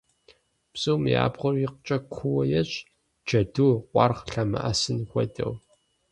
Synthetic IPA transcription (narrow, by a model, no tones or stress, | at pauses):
psʼɨwmja̰ːbʁʷʊriqt͡ʃʼɐkʷʰʊwɐjɛɕʼ | d͡ʒɐduqʷʼɑ̰rʁɬɐmɨ̰ʔɐsɨnxʷɔdɐ̰w